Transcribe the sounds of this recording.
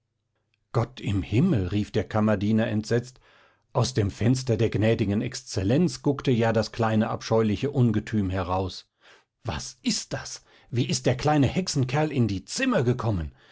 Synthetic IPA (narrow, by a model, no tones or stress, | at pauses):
ɡ̥ɔtʰɪmhɪml̩ʁiːfd̥eːɐkʰamɐdiːnɐʔɛntz̥ɛt͡st | ʔaʊsd̥eːmfɛnstɐdeːɐɡnɛːdɪɡənɛkst͡sɛlɛnt͡sɡ̥ʊktəjaːdaskl̥aɪnəʔa̰pʃɔʏlɪçəʔʊnɡətʰyːmhɛɐʁaʊs | v̥a̰sʔɪst̚d̥as | v̥iːʔɪst̚d̥eːɐkl̥aɪnəhɛksn̩kʰɛɐlɪndiːt͡sɪmɐɡəkʰɔmən